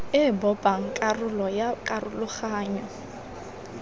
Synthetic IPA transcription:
ɪbɔpʼaŋ̩kʼarʊlɔjakʼarʊlʊχaːɲɔ

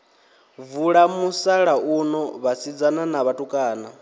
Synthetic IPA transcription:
vuɺamusaɺaʔunɔβasid͡zananaβatʼukʼaːna

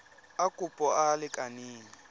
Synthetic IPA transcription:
akʼupʼɔalɪkʼaniːŋi

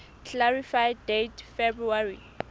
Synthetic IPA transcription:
kʰlaɹifajddetʰfebɹuari

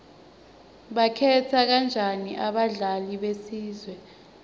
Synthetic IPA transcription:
ɓakʰɛtʰak̬and͡ʒʱaniʔaɓaɮaliɓesiːzwɛ

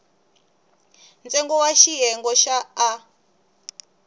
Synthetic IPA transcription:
nd͡zɛŋɡɔwaʃiɦɛŋɡɔʃaː

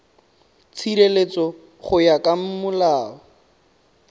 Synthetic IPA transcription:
t͡sʰiɾelet͡sɔ | χʊjakʼam̩mʊlaːɔ

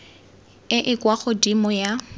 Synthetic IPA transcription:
ɪʔɪkʼwaχɔdimɔja

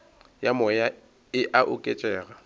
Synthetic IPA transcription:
jamɔja | ɪʔaʔʊkʼet͡ʃʼɛːɣa

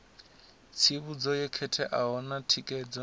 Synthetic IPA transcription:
t͡sʰiβud͡zɔjɛkʰɛtʰɛʔaɦɔnatʰikʼɛd͡zɔ

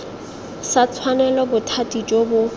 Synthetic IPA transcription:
sat͡sʰwanɛlɔbʊtʰatʼit͡ʃʼobʊ

